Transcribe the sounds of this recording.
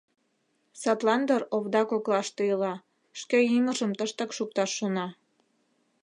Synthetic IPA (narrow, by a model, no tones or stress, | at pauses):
sɑt̪lɑnd̪əroβd̪ɑkoklɑʃt̪ɤjəlɑ | ʃkeiməʒəmt̪əʃt̪ə̆kʃuk̚t̪ɑʃːonɑ